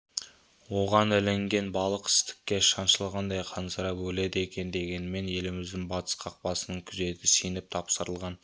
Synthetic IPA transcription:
wo̞ʁɑnɵleŋɡʲe̞nbɑlˠəqɪ̥st̪ɪ̥kʲːe̞ʃɑnʃəlˠʁɑnd̪ɑjqʰɑnsəɾɑbɵle̞d̪əe̞kʲe̞nd̪e̞ɡʲe̞nme̞nje̞lɪmɪzd̪ɪŋbɑt̪ʰə̥sqʰɑq̚pɑsənəɴkʲʰʏze̞t̪ʰɪsijnɪp̚t̪ʰɑpsəɾəlˠʁɑn

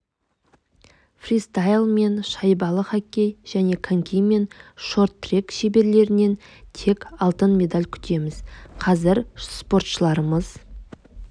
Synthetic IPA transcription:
frist̪ajlˠme̞nʃɑjbɑlˠəχɑkʲːe̞jʒ̥æne̞kʰaŋkʲʰijme̞nʃo̞rt̪ːrekʃe̞be̞ɾle̞ɾɪne̞nt̪ʰe̞kɑlˠt̪ənmʲe̞d̪alʲkʲʰʏ̥t̪ʰe̞mɪz̥qʰɑzɪɾspo̞ɾt̪ʃəlˠɑɾəməz̥

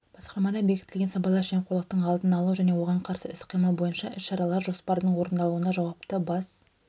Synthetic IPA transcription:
b̥ɑsqɑɾmɑd̪ɑbe̞kʲɪt̪ɪlʲɡʲenɑpɑlˠɑʃemqʰolˠəq̚t̪əɴɑlˠd̪ənɑlˠuʒæne̞wo̞ʁɑɴqʰɑɾsəɪsqʰijməlˠbo̞jənʃɑʔɪsʃɑɾɑlˠɑɾʒo̞spɑɾəd̪əɴwo̞ɾənd̪ɑlˠuənɑʒɑwɑpt̪əbɑs

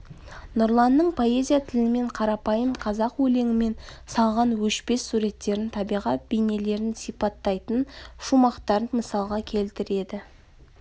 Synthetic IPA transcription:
nʊɾlˠɑnːəɴpʰo̞e̞zʲijat̪ʰɪlɪme̞ɴqʰɑɾɑpɑjəmqʰɑzɑqwɵle̞ŋɪme̞nsɑlˠʁɑnwɵʃpe̞sːuɾe̞t̪ːe̞ɾɪnt̪ʰɑbijʁɑt̪̚bejne̞le̞ɾɪnsijpɑt̪ːɑjt̪ənʃumɑqt̪ɑɾənməsɑlˠʁɑkʲʰe̞lt̪ɪɾe̞d̪ɪ

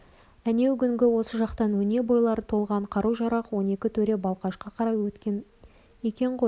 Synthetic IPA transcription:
æne̞wɡʲʏŋɡʲɪwo̞səʒɑqt̪ɑnwɵne̞bo̞jlˠɑɾət̪ʰo̞lˠʁɑɴqʰɑɾuʒɑɾɑqwo̞ne̞kʲɪt̪ʰɵɾe̞bɑlˠqɑʃqɑqʰɑɾɑjwɵt̪ʲn | ekʲe̞ɴqʰoj

